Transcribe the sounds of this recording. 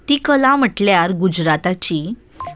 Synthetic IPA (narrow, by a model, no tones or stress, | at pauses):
t̪ikəlam̤əʈljaɾɡud͡ʑɾat̪at͡ɕi